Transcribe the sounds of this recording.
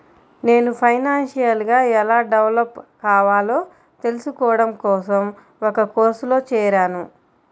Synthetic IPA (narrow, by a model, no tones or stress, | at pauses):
ne̞ːnupʰɐjnaːnʂijɐlɡaːɛlaːɖɐʋlɐpkaːʋaːlo̞ː | t̪e̞lusukɔːɐɽɐmkɔːs̬ɐm | ɔkɐkoːɾslo̞ːt͡ʃɛːɾaːnu